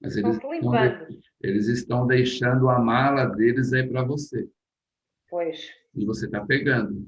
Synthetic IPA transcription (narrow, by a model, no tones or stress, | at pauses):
mɐ̰zelɪzt̪ɐ̃w̃d̪e | elɪzɪst̪ɐ̃w̃d̪ejʃɐ̃nd̪ʊɐmalɐd̪elɪzaipɾɐvose | pojʃ | ɪvoset̪apeɡɐ̃nd̪ʊ